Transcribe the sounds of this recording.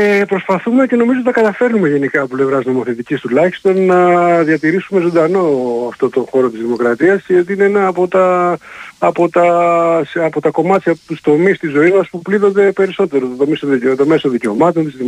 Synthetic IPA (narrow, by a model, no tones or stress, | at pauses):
epɾo̞spɐθume̞ce̞no̞mizot̪t̪ɐkɐt̪ɐfe̞ɾnume̞ʝe̞nikɐːpople̞vɾɐzno̞mo̞θe̞t̪icist̪ulɐçi̥st̪o̞nːɐðʝɐt̪iɾisume̞zo̞nd̪ɐno̞ɐft̪o̞t̪o̞xo̞ɾo̞t̪izðimo̞kɾɐt̪iɐsceot̪iineenɐːpo̞t̪ɐː | po̞t̪ɐsɐpo̞t̪ɐko̞mɐt̪çɐpot̪ust̪o̞mist̪izo̞imɐspupliðo̞nd̪e̞pe̞ɾiso̞t̪e̞ɾot̪t̪omist̪ot̪ome̞so̞nðice̞o̞mɐt̪o̞nt̪izði